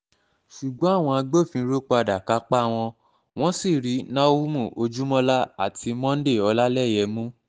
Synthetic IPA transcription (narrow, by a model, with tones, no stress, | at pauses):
ʃu˨ɡ͡bɔ̃˨˦a˦˨w̃ɔ̃˧a˧ɡ͡bo˦˨fĩ˧˦ɾo˦k͡pa˧da˨ka˨˦k͡pa˦˧w̃ɔ̃˧ | w̃ɔ̃˦si˦˨ɾi˨˦nã˦wu˦mũ˦˨o˧d͡ʒu˦mɔ̃˦la˦a˦˨ti˨˧mɔ̃˦n̩˦de˦˨ɔ˧la˦lɛ˦˨jɛ˨˦mũ˦